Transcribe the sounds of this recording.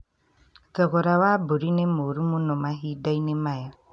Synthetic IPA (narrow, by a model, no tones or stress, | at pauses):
t̪ɔɡɔɾawabuɾinemoɾumunɔmaɦidajnemaja